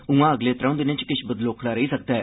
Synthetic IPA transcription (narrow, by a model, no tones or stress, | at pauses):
ũːãːəɡleːt̪ɾãʊ̃d̪ɪnẽt͡ʃkɪʃbəd̪loːkʰlaːɾəɦiːsək̚d̪aɛː